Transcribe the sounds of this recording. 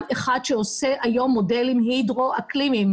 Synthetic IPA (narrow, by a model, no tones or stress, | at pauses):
veχad̪ʃeoseʔajo̞mːodelimɦidʁoʔaklimim